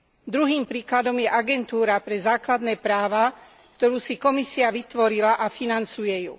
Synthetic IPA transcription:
d̪ɾuɦiːmpɾiːklad̪ɔmjɛʔaɡɛnt̪uːɾapɾɛzaːklad̪nɛːpɾaːʋa | kt̪ɔɾuːsikɔmisiaʋit̪ʋɔɾilaʔafinant͡sujɛjṵ

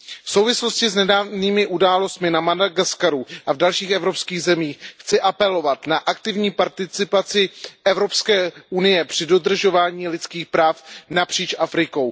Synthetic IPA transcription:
fso̞wvɪslo̞scɪznɛdaːvniːmɪʔudaːlo̞st̪mɪnamadaɡaskaɾuʔavdalʃiːxʔɛvɾo̞pskiːɣzɛmiːxxt͡sɪʔapɛlo̞vat̪naʔak̚t̪ɪvɲiːpaɾt̪ɪt͡sɪpat͡sɪʔɛvɾo̞pskɛːʔunɪjɛpr̝̥ɪdo̞dr̩ʒo̞vaːɲiːlɪt͡skiːxpɾaːfnapr̝̥iːt͡ʃʔafɾɪko̞w

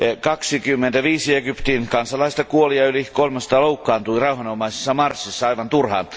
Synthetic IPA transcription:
ɑkɑksikymːent̪æʋiːsieɡypt̪inkɑnsɑlːɑist̪ɑkuoliɑylikolmɑst̪ɑloukːɑːnt̪ulirɑuhɑnomɑisesːɑmɑrsːisːɑɑiʋɑnt̪urhɑ̰ːn

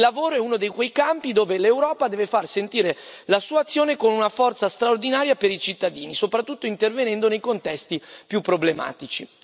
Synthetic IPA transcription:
lːavoːɾoɛunod̪ejkwejkampid̪oːvelewɾɔːpad̪ɛːvefarsent̪iːɾelasuːaːt̪sːjoːnekonunafɔrt̪sast̪ɾaord̪inaːɾjapeɾit͡ʃit̪ːad̪iːnisopɾat̪ːut̪ːoint̪ervenɛnd̪onejkont̪ɛst̪ipjupːɾoblema̰ːt̪it͡ʃi

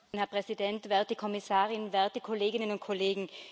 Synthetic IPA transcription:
hɛɐpʁ̥ɛzidɛntv̥ɛɐtəkʰɔmɪsaːʁɪnvɛɐtəkʰoleːɡɪnənʊnt̚kʰoleːɡŋ̩

